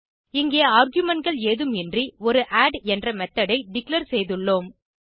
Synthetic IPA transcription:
ɪŋɡeːaːɾɡjɯmɛɳ̚ɡɐɭeːðɯmɪndriɔɾɯʔaːɖɛndrɐmɛt̪ːɐɽɐɪɖɪkɭɐɾsɛjðɯɭːoːm

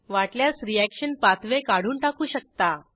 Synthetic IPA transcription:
ʋaʈljasɾiækɕənpat̪ʰʋekaɽ̤uːnʈakuːɕək̚t̪a

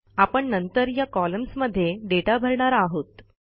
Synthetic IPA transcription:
apəɳnənt̪əɾjakɔləmsməd̪ʱːjeɖeʈabʱəɾɳaɾaɦot̪

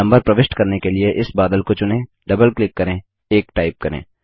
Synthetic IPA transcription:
ɐ̃mbəɾpɾɐʋɪʃʈkɐɾnekelieʔɪsbaːd̪əlkot͡ʃʊnẽ | ɖɐbəlklɪkːɐɾẽ | eːkʈaːɪp̚kɐɾḛ̃ː

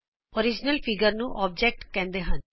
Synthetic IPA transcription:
oːɾɪd͡ʒnəlpʰɪɡəɾnũːʔɔːb̚d͡ʒɛk̚ʈkɛ̃ːnd̪eːɦən

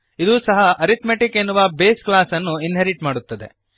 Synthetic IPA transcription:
id̪uːsɐɦɐʔɐɾit̪meʈikenːuʋɐbeːsklaːsɐnːuinɦeɾiʈmaːɽut̪ːɐd̪ḛ

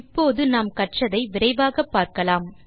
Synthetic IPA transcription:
ɪpːoːðɯnaːmkɐʈt͡ʃɐðɐɪʋɪɾɐɪʋaːɣɐpːaːɾkɐlaːm

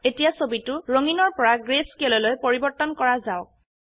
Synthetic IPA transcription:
etijasobitʊɹoŋinɔɹpɔɹaɡɹeskelɔlojpoɹibɔɹtɔnkɔɹazaʊk̚

